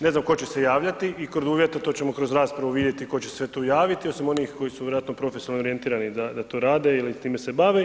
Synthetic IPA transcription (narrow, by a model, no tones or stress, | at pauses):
neznamko̞t͡ɕe̞se̞jaːʋʎat̪iikɾod̪uːʋje̞t̪at̪o̞t͡ɕe̞mo̞kɾo̞zɾaːspɾaʋuʋid̪je̞t̪iko̞t͡ɕessʋe̞t̪oːjaːʋit̪iosimo̞niːxko̞jisuʋjɾoat̪nopɾo̞fesjolnooɾie̞nt̪iːɾanid̪ad̪at̪o̞ːɾaːd̪e̞ilit̪iːmese̞baːʋe